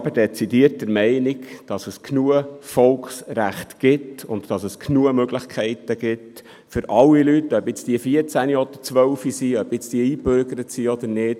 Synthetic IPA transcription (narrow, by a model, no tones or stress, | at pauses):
b̥əɾdɛt͡sidiəɾt̚dəɾmɛɪnikd̥ɑsəskʰnuəfɔlksɾæχtɡ̥ɪtʊntd̥ɑsəskʰnuəmøɡləχkʰɛɪtəɡ̥ɪt | fʏɾɑlːilytːœbɪt͡sd̥iəfiəɾt͡sæniɔd̪̥əɾt͡sʋœlfisiœb̥ɪt͡stiəiːbøɾɡ̥əɾətsiɔd̪əɾnɪːt